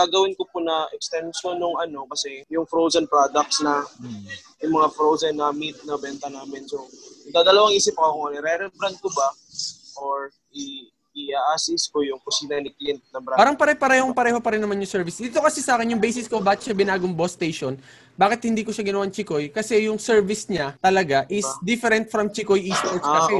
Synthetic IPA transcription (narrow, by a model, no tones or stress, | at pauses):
aɡɐwɪnkopʊnɐɛkst̪ɛnʃonːʊŋɐno̞kɐsɛjʊŋfɾowzɐnpɾad̪ɐk̪̚snɐ | jʊŋmɐŋafɾowzɐnːɐmit̪̚nɐbɛnt̪ɐnaːmɪnsoɐd̪ad̪ɐlɐwaŋʔiːsɪp̚ːkɐoŋɐnɛɾɛɾɛbɾɐnd̪̚kobɐ | ʔoɹ | ʔɪ | ɪaʔasɪskojʊŋkʊsiːnɐnɪklɪnt̪̚nɐbɾabaːɾɐŋpɐɾɛpɐɾɛːhoŋpɐɾɛːhopɐɾɪnːɐmanjʊŋsɛɹvɪsd̪iːt̪o̞kɐsɛsaːkɪnjʊŋbejsɪskobaːt̪ʃabɪnaːɡoŋbost̪ejʃon | baːkɪt̪̚hɪnd̪iːkoʃaɡɪnɐwaɐŋt͡ʃɪko̞jkɐsɛjʊŋsɛɹvɪsɲat̪ɐlɐɡaʔɪsd̪ɪfɛɾɛnt̪̚fɾɐmt͡ʃɪkojʔist̪oɛaɛ